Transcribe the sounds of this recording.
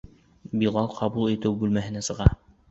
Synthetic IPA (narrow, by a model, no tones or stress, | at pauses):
bilˠɑlˠqʰɑβulˠit̪ɘwbʉlmæɦɘ̆næsɤ̆ʁɑ